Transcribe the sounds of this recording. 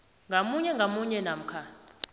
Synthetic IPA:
ŋɡʱamuɲɛŋɡʱamuɲɛnam̩kʰa

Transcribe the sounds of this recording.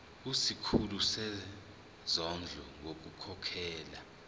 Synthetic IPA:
usikʰulusɛ | zɔnd͡ɮʱɔŋok̬ukʰɔkʰɛːla

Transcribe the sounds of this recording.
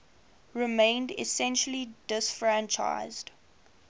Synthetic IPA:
ɹɪmẽɪ̃ndɪ̰sɛ̃nʃəlidɪsfɹæ̃nt͡ʃa̰ɪzd̥

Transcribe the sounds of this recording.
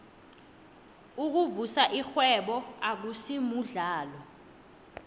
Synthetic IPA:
uk̬uvusaʔixwɛɓɔak̬usimuɮaːlɔ

